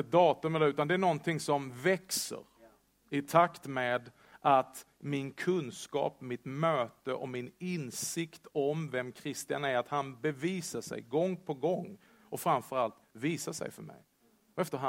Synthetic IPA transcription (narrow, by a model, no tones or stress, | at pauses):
əd̪ɑːt̪ɵmɛlːəɾʉ̟ːt̪and̪ɛæɳɔnt̪ʰɪŋsɔmvɛksə̰ɾ | ɪt̪ʰakt̪meːd̪ | ʔat̪mɪnkʰɵnskɑ̰ːpmɪt̪møːt̪əʔɔmɪnɪnsɪkt̪ʰɔmvɛmkʰɾɪst̪ɪa̰næɾat̪hanbɛviːsaʂɛ̰jɡɔŋːpʰɔɡɔŋː | ɔfɾamfœɾalt̪viːsaʂɛ̰jfœ̰mɛ̰j | ɛft̪əɦa